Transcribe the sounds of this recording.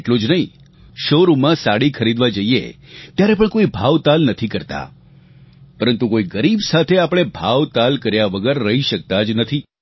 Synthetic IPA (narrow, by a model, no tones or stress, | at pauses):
eʈlod͡ʒnəɦĩ | ʃoɾumãsaɽikʰəɾid̪ʋad͡ʒəiḛt̪jaɾepəɳkoibʱaʋt̪alnət̪ʰikəɾt̪a̰ | pəɾənt̪ukoiɡəɾibsat̪ʰeapɽ̃ebʱaʋt̪alkəɾjaʋəɡəɾːəɦiʃək̚t̪ad͡ʒnət̪ʰi